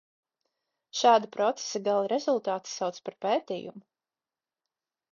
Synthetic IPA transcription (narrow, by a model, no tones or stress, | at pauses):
ʃaːd̪apɾɔt̪se̥saɡalˠiɾɛzulˠt̪aːt̪i̥sawt̪spaɾpeːt̪ḭːjṵmu